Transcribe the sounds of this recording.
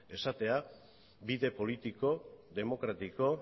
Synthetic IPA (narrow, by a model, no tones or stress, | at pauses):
e̞sat̪e̞a | biðe̞po̞lit̪iko̞ðe̞mo̞kɾat̪iko̞